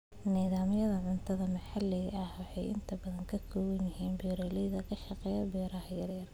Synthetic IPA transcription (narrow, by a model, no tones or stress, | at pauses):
niːðaːmɪjɐðɐʕʊnt̪ʰɐðɐmɐħɑlːɪɣɐhwɑħɑ̰jɪ̰nt̪ʰɐbɐðɐŋkʰɐkʰɔːwɐnjɪɦiːnbɛɾɛlɛjðɐkʰɐʃɑqɛjɐbɛːɾɐhjɐrjɐr